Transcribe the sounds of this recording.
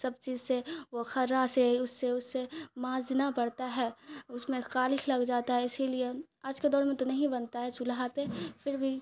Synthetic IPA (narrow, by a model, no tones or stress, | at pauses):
sɐb̚t͡ʃiːzseʋoxɐɾɾaseʊsːeʊsːemãːzd̪ɪnapɐɽt̪aɦɛːʊsmẽxaːlɪklɐɡd͡ʒaːt̪aɦɛɪsilie | aːd͡ʒked̪ɔːɾmẽt̪onɐɦĩbɐnt̪aɦɛt͡ʃʊlɦapefɪɾbʱi